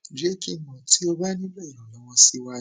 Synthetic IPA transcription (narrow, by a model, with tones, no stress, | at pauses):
d͡ʒe˦ki˦˨mɔ̃˨ti˨˦o˧ba˦nĩ˦bɛ˦˨ɾɔ̃˨lɔ˦wɔ̃˧si˧˦wa˧˦